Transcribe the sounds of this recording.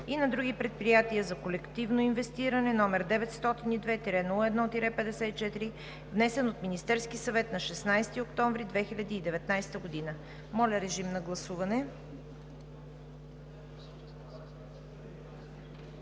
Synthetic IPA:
inɐd̪ɾuɡipɾɛt̪̚pɾijat̪iəzɐkolɛkt̪ivnoinvɛst̪iɾənɛnɔmɛɾd̪ɛvɛt̪st̪ɔt̪inid̪vɛt̪iɾɛnulˠəɛd̪nɔot̪iɾɛpɛd̪ɛsɛt̪it͡ʃɛt̪iɾi | vnɛsɛnot̪minist̪ɛɾskisɐvɛt̪nɐʃɛsnajst̪iokt̪ɔɱvɾid̪vɛxilʲɐd̪iːd̪ɛvɛt̪najst̪əɡod̪inə | mɔlʲɐɾɛʒimnɐɡlˠɐsuvɐnɛ

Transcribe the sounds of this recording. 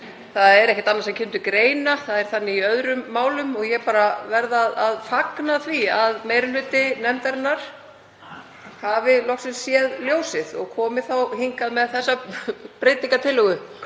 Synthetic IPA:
θaðɛɾɛhçcɪt̪anaɾsɛmcʰɪmt̪ʏkɾeːjnaθaðɛɾ̥θanːɪiœðɾʏmːaːwlʏmɔɣjɛpaːɾavɛɾðaðaðfaknaθviaðmeːjɾɪl̥ʏːt̪ɪnɛmt̪ɛɾnːaɾ̥ | havɪlɔxsɪmsjɛðljoːwsɪðɔɣkʰɔːmɪθawhiŋkaðmɛðθɛsːapɾejt̪niŋkat̪ʰɪlːʏɣʏ

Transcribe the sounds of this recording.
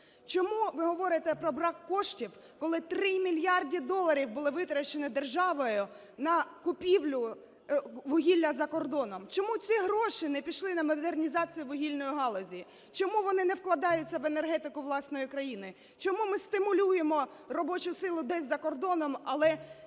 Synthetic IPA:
t͡ʃɔmuʋɪɦɔʋɔɾɪt̪ɛpɾɔbɾɑkːɔʃtʲiw | kɔlˠɪt̪ɾɪmʲilʲjɑrdʲid̪ɔlˠːɐɾʲiwbʊlˠɪʋɪt̪ɾɐt͡ʃenɪd̪erʒɑʋɔjʊ | nɐkʊpʲiwlʲʊ | ʋʊɦʲilʲːɐzɐkɔrd̪ɔnɔmt͡ʃɔmut͡sʲiɦɾɔʃɪnɛpʲiʃlˠɪnɐmɔd̪ernʲizɑt͡sʲijʊʋʊɦʲilʲnɔjiɦɑlˠɔzʲiji | t͡ʃɔmuʋɔnɪnɛwklˠɐd̪ɑjʊt͡sʲːɐʋenerɦɛt̪ɪkʊʋlˠɑsnɔjɪkɾɐjinɪ | t͡ʃɔmumɪst̪ɪmʊlʲujemɔrɔbɔt͡ʃʊsɪlˠʊd̪ɛzʲzɐkɔrd̪ɔnɔmɐlˠɛ

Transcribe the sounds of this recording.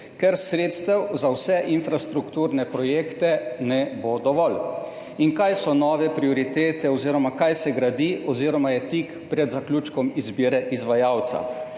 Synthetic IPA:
kɛɾsɾeːt̪st̪ɛwzawsɛʔinfɾast̪ɾukt̪uːɾnɛpɾɔjeːkt̪ɛnɛbod̪ɔʋɔl | iŋkajsɔnɔːʋɛpɾiɔɾit̪eːt̪ɛɔziːɾɔmakajsɛɡɾad̪iɔziːɾɔmajɛt̪ik | pɾɛd̪zaklʲuːt͡ʃkɔmizbiːɾɛʔizʋajawt̪sa̰

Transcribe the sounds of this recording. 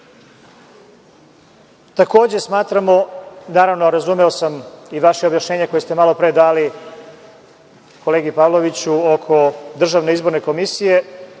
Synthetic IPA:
t̪ako̞ːd͡ʑe̞smaːt̪ɾamo̞naːɾaʋnoɾazumeo̞samiʋaʃeobjaʃɲeːɲeko̞jest̪emalo̞pɾed̪aːli | ko̞leːɡipaːʋlˠo̞ʋit͡ɕuokʰo̞d̪r̩ʒaʋne̞izbo̞ɾne̞ko̞misije̞

